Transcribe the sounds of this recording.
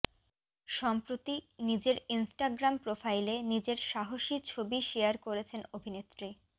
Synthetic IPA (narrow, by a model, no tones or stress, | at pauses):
ʃɔmpɾot̪inid͡ʑeɾinsʈaɡɾampɾofajlenid͡ʑeɾʃaɦoʃit͡ɕʰobiʃeaɾkoɾet͡ɕʰenobʱinet̪ːɾi